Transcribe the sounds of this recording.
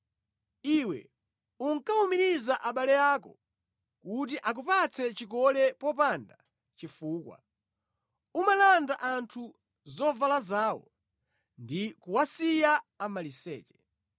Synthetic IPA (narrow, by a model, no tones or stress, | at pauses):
iwɛ̰ | uŋkaumiɾizaʔaɓalɛjaːkɔ | kut̬iʔak̬upat͡sʰɛt͡ʃikɔlɛpɔpanda | t͡ʃifuːkwa̰ | umalandaʔantʰu | zɔvalazaːwɔ̰ | ndikuwasijaːmalisɛ̰ːt͡ʃɛ̥